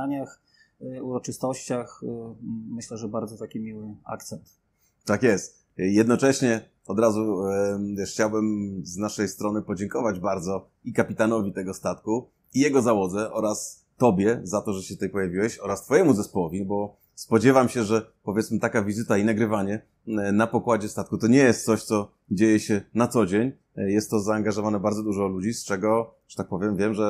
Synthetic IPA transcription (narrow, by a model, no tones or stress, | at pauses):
aɲax | uɾɔt͡ʂɘst̪ɔɕt͡ɕax | mɘɕlɛʐɛbaɾd̪zɔt̪akʲimʲiwɘa̰kt̪sɛnt̪ | t̪akjɛst̪ | jɛd̪nɔt͡ʂɛɕɲɛ | ɔd̪ɾazu | ɛxt͡ɕawbɛmznaʂɛjst̪ɾɔnɘpɔd͡ʑɛŋkɔvad͡ʑbaɾd̪zɔ | ikapʲit̪anɔvʲit̪ɛɡɔst̪at̪ku | ijɛɡɔzawɔd̪zɛʔɔɾas | t̪ɔbʲjɛzat̪ɔʐɛɕɛt̪ut̪ɛjpɔjavʲiwɛɕɔɾast̪fɔjɛmuzɛspɔwɔvʲibɔ | spɔd͡ʑɛvamɕɛʐɛ | pɔvʲjɛt̪smɘt̪akavʲizɘt̪ainaɡɾɘvaɲɛ | napɔkwad͡ʑɛst̪at̪kut̪ɔɲɛjɛst̪sɔɕt̪sɔ | d͡ʑejɛɕɛnat̪sɔd͡ʑeɲ | jɛst̪ːɔzaːŋɡaʐɔvanɛbaɾd̪zɔd̪uʐɔlud͡ʑist͡ʂɛɡɔ | ʐ̥ɛ̥t̪ak̚pɔvʲjɛmvʲjɛmʐɛ